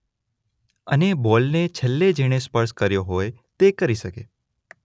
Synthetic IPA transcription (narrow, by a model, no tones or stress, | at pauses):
ənebɔlnet͡ʃʰəlːed͡ʒeɽ̃espəɾskəɾjoɦojt̪ekəɾiʃəkḛ